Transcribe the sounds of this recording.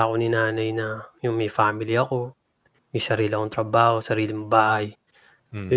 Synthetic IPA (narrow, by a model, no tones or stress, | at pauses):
akonɪnaːnɐjnɐjʊŋmɐjfaːmɪlɪɐko̞ | mɐjsɐɾiːlɪʔɐkoŋt̪ɾɐbaːho̞sɐɾiːlɪmʊbaːhɐj